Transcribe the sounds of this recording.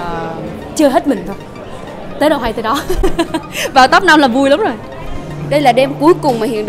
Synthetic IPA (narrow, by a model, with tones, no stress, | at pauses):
t͡ɕɨ˧ɦe˦˥t̚mï˨˩ŋ̟t̪ʰo˧j | t̪əː˨˦ɗə˨˩wɦa˧jt̪əː˨˧˦ɗɔ˨˦ | vaː˨˩wt̪ə˦˥p̚na˧mlaː˨˩vu˧əjla˨˦wŋ͡mzo˨˩j | ɗə˧jlaː˨˩ɗɛ˧mku˨˦jkʊ˨˩ŋ͡mmaː˨˩hḭ˧˨ənɗ